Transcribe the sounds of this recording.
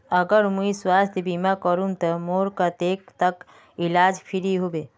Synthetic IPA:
əɡəɾmũiswaːst̪ʰjbimakəɾũnt̪əmoːɾkat̪eːk̚t̪ək | ilaːd͡ʒpʰiɾiɦobeː

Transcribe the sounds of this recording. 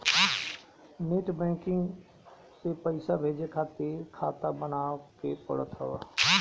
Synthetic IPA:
nɪʈbɛ̃ːkɪ̃ŋɡ | sepəɪsabʱeːd͡ʒekʰaːt̪ekʰaːt̪abənaːokepə̰ɽət̪ɦɔ̰ː

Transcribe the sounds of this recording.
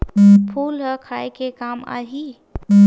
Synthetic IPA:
pʰulɦəkʰaekekama̰ɦi

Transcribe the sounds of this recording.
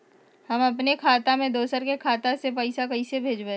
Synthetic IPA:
hɐmɐpnekʰaːt̪amẽd̪oːsəɾkekʰaːt̪asepɐɪsakɐisebʱeːd͡ʒbẽː

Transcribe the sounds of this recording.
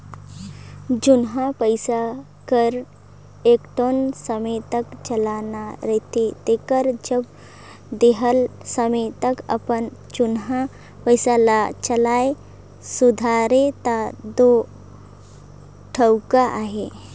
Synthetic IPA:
d͡ʒʊnɦãpəɪsa | kəɾ | eːkʈoːnsəmet̪əkt͡ʃəlanaɾət̪et̪ekəɾd͡ʒəb | d̪eɦəlsəmet̪əkə̰pənd͡ʒʊnɦã | pəjsalat͡ʃəlaːe | sud̪ʱaɾet̪ad̪o | ʈʰəwkaʔaːɦe

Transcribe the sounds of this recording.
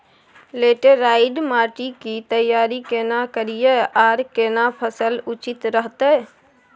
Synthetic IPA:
leːʈeɾaɪɖmaːʈikit̪əjaːɾikenakəɾijəaːɾkenapʰəsəlut͡ʃɪt̪ɾəɦt̪ə

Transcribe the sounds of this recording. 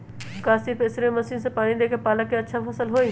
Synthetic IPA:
kaːst̪iːpeːsɾmɐsiːnsãpaːɽ̃id̪eːkʰepaːləkːeɐtːʃʰafʰɐsəlɦoːi

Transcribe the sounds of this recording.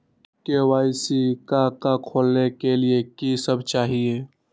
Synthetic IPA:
kewaːɪsikakakʰoːlnekeliekisəbʱt͡ʃaːɦie

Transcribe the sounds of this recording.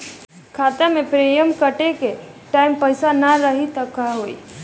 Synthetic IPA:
kʰaːt̪emẽpɾeːjəmkəʈeke | ʈaːɪmpəɪsanaɾəɦit̪əkaɦoːḭ

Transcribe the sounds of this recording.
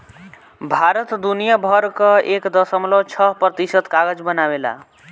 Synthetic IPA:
bʱaɾət̪d̪unijabʱʌɾkəekd̪əsəmlot͡ʃʰʌɦpɾət̪isət̪kaɡəd͡ʒbənabela̰

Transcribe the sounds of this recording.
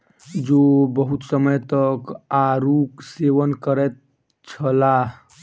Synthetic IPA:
d͡ʒobəɦut̪səməjt̪əkaɾukseʋənkəɾɛt̪̚ | t͡ʃʰəla

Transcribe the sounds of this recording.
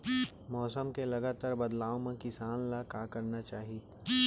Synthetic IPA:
mɔːsəmkelɐɡaːt̪aːɾbɐd̪laːõmẽkɪsaːnlakaːkɐɾnat͡ʃaːɦi

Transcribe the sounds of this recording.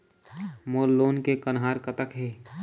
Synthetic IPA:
moːlːoːnkekənɦaːɾkət̪əkɦeː

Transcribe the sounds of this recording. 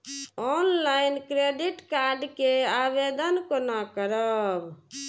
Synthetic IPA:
ɔnlajnkɾeɖiʈkaɾɖkeabed̪ənkonakəɾəb

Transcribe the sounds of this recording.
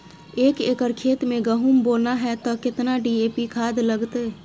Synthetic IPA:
eːkeːkəɾkʰeːt̪mẽɡəɦumboːlnaɦɛt̪ɔkɪt̪naɖieːpikʰaːd̪ləɡt̪eː

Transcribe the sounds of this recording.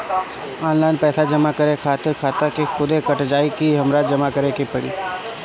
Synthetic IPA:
aːnlaːɪnpɛːsad͡ʒɐmakɐɾekʰaːt̪ɪɾkʰaːt̪akexʊd̪ekɐʈd͡ʒaːikiɦɐmɾaːd͡ʒɐmakɐɾekipɐɽḭː

